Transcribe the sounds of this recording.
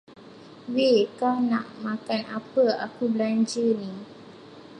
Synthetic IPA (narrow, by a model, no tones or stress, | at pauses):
wekanã̰ʔmãkanapəa̰kubəlaɲd͡ʒəni